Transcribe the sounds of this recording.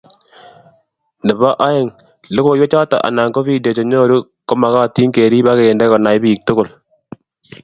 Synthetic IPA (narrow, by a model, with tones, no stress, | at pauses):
nde˨ba˦ʔa˦ɪ˨ŋ | lɪ˦ko˨jwe˦t͡ʃa˦tɔ̰˨ʔa̰˨na˨ŋkɔ˦βi˦do˨t͡ʃɔ˨ɲo˦ɾu˦ | kɔ˦ma˨kaː˦˨ti˦ŋke˨ɾi˦ba˦keː˨ndɛ˦kɔ˨na˨ɪ˦bi˦˨k̚tʊ˦ko˦˨l